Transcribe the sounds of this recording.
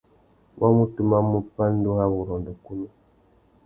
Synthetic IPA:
wʔa˦mu˦tu˦ma˦mu˦pa˦n˦do˦ha˦βu˨ɾɔ˨n˨də˨ku˦nu˦

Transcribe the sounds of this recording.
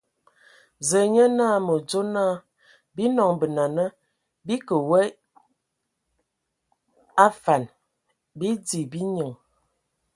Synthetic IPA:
zə˨ɲə˦naː˦˨mə˨d͡ʒo˦naː˦˨ | bi˦nɔ˨ŋbə˨na˨nə˦ | bi˦kə˨wə˦ | a˦fa˨n | bi˦di˨bi˦ɲə˨ŋ

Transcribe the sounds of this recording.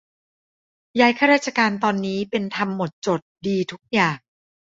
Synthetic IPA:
jaː˦˥jkʰaː˥˩ɾaː˥˩t̚t͡ɕʰa˧kaː˧nt̪ɔː˧nːiː˦˥pe˧nt̪ʰa˧mːo˨˩t̪̚t͡ɕo˨˩t̪̚diː˧t̪ʰu˦˥k̚jaː˨˩ŋ

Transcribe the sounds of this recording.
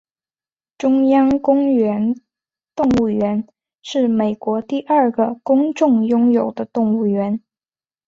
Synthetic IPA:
ʈ͡ʂʊ˥ŋjɑ˥ŋkʊ˥ŋɥɛ˧˥n | t̪ʊ˥˧ŋu˥˩ɥɛ˧˥n | ʂɻ̩˥˩me˨˩ɪkwɔ˧˥t̪i˥˧ʔɐ˞˥˩ɡə˩kʊ˥ŋʈ͡ʂʊ˥˩ŋjʊ˥ŋjo˨˩ʊd̪ə˦t̪ʊ˥˧ŋu˥˩ɥɛ˧˥n

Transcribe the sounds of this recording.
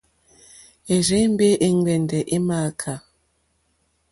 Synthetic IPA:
e˨ɾe˨˦m̩˦be˦ʔe˦ŋ˦ɡ͡bɛ˨ndɛ˨ʔe˦maː˦˨kʰa˨

